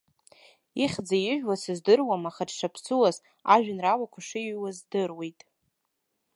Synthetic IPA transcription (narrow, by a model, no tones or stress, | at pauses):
iχʲd͡zajɪʒᶣwasɨzdɨrwamaχadʂapʰsuwaz | aʒᶣanrawakʷʰaʂɨɥwazdɨrwejtʼ